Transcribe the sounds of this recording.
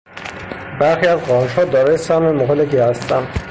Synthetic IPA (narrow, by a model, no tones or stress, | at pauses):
bæɾxiæzɢɒːnʃhɒːd̪ɒːɾɒːjesæhmemoɦelekihæst̪ænd̪